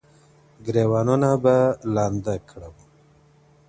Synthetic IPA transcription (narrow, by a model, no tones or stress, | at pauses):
ɡɾeːwɑːnunabalɑːnd̪əkʰɽəm